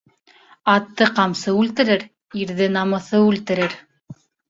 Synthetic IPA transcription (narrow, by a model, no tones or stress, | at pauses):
ɑt̪ːɤqɑmsɤʉlt̪ɘ̆ɾɘɾ | iɾðɘnɑmɤ̆θɤʉlt̪ɘ̆ɾɘɾ